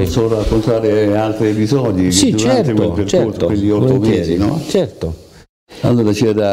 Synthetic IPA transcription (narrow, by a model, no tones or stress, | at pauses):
sorakːont̪aːɾealt̪ɾiepizɔːd̪isid̪ut͡ʃɾanɛek̪epert͡ʃɛosowelːiɔt̪ːomezinɔ̰t͡ʃɛrt̪o | a̰lːoːɾat͡ʃɛad̪a